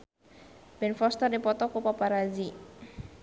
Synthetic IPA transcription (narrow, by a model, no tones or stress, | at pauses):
bɛnfɔst̪ərdipɔt̪ɔkupapaɾad͡ʒi